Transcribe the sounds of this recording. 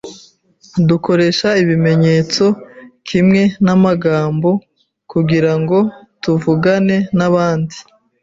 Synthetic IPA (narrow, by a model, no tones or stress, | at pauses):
duko̞ɾe̞ʃaiβime̞ɲe̞t͡so̞kʰimŋe̞namaɡaːmbo̞ | kuɡiɾaŋɡo̞ | tuvuɡane̞naβaːndi